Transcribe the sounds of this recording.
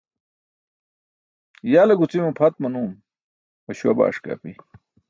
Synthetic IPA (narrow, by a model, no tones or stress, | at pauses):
jaːlɐɡut͡simupʰɐt̪̚mɐnuːm | ɐɕuɐba̰ːʂka̰ːpi